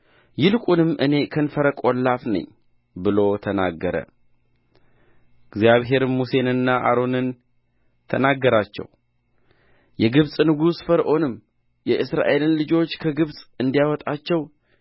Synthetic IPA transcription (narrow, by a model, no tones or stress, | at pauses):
jɪlkʼunɨmːʔɨne̞kʰənfəɾəkʼo̞lːafnə̰ɲː | bɨlo̞t̪ʰəna̰ɡːəɾə̰ | ɡzjaβɦe̞ɾɨmuse̞nɨnːaʔa̰ɾo̞nɨn | t̪ʰənaɡːəɾat͡ʃːɛ̰w | jɛɡɨβsʼnɨɡusfəɾʔo̞nɨm | jɛʔɨsɾa̰ʔe̞lɨnlɨd͡ʒo̞t͡ʃːkʰəɡɨβsʼɨnd̪ijawɔt̪ʼat͡ʃːɛw